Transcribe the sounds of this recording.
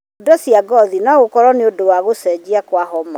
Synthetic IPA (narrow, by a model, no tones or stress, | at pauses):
dɔsjaɡɔðinaɣokɔɾɔneodowaɣosɛd͡ʑiakwaɦɔma